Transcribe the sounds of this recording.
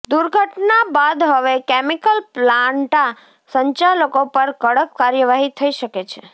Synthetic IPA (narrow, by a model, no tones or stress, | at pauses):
d̪uɾɡʱəʈnabad̪ɦəʋekemikəlplaɳʈa | səɲt͡ʃaləkopəɾkəɽəkːaɾjəʋaɦit̪ʰəiʃəket͡ʃʰe